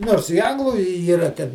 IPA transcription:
ˈnoːrs ɪ ˈɐŋɡlˠʊ ɪ iːˈrɐ ˈtʲɛn

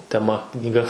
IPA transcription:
tʲɛˈmɐ knʲiːˈɡɐ

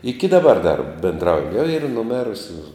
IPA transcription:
ˈɪkʲɪ dɐˈbɐr dɐr bʲɛnˈdrɐʊjʊ jɛʊ iːr nʊˈmʲeːrʊsʲʊ

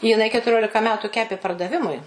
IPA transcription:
jɪˈnɐɪ kʲɛtʊˈrʲoːlʲɪkɐ ˈmʲæːtʊ ˈkʲæːpʲeː pɐrdɐˈʋʲɪmʊɪ

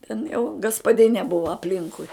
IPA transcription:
tʲɛn jɛʊ ɡɐspɐˈdʲɪnʲeː ˈbʊʋɐ ɐpʲˈlʲɪŋkʊɪ

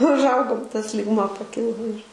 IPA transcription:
ʊʒˈɐʊɡoːm tɐs lʲiːɡˈmuɔ pɐˈkʲɪlˠoː ɪr

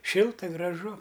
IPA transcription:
ˈʃʲɪlˠtɐ ɡrɐˈʒʊ

